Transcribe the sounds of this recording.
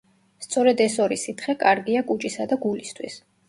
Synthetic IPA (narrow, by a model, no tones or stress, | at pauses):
st̪sʼɔɾɛd̪ɛsɔɾisit̪ʰχɛkʼaɾɡiakʼut͡ʃʼisad̪aɡulist̪ʰwis